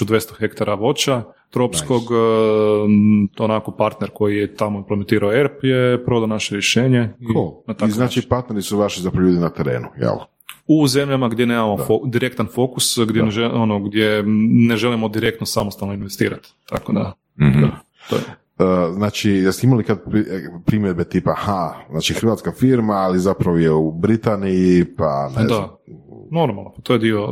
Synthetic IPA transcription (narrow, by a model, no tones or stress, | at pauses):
ud̪ʋest̪oxe̞kt̪aɾaʋo̞t͡ʃa | t̪ɾopssko̞ɡ | onako̞paɾt̪neɾko̞jijet̪amoimplement̪iːɾaoeɾpjepɾo̞d̪anaʃeɾjeʃe̞ːɲeionat̪akznaːt͡ʃipaɾt̪neɾisuʋaʃizapɾaʎuːd̪inat̪eɾḛːnujḛl | uze̞mʎamaɡd̪je̞neːmamood̪iɾe̞kt̪anfokusɡd̪jeneʒelonoɡd̪jeneʒe̞limo̞d̪iɾe̞k̚t̪nosamost̪alnoinʋest̪ḭːɾat̪ːa̰kod̪a̰ | d̪a̰ | o̰je | əznaːt͡ʃijɛst̪eimalikad̪̚ppɾimjed̪̚bet̪iːpahaznaːt͡ʃixɾʋaːt̪skafiɾmaːlizapɾaʋojeubɾit̪anijipa̰ndd̪a | no̞ɾmalˠnopat̪o̞jed̪io